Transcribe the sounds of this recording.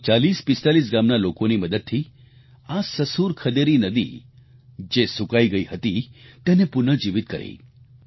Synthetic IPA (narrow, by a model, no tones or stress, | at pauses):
t͡ʃaliːspɪst̪alis̬ɡamnalokoniməd̪əd̪̚t̪ʰiː | asəsuɾkʰəd̪eɾinəd̪ḭ | d͡ʒesukaiɡəihət̪it̪enepʊnəd͡ʒiʋit̪̚kəɾḛi